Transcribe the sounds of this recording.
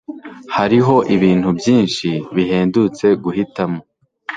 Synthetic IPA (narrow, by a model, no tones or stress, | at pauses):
haɾiɦo̞ʔiβiːn̥hubjiːnʃiβiɦe̞ːndut͡se̞ɡuhitamo̞